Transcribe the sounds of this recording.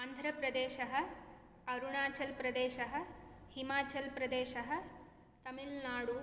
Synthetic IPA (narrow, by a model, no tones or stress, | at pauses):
aːnd̪ʱɾɐpɾɐd̪eːʃɐɦɐ̆ | ɐɾuɳaːt͡ʃɐlpɾɐd̪eːʃɐɦɐ̆himaːt͡ʃɐlpɾɐd̪eːʃɐɦɐ̆ | t̪ɐmilnaːɽu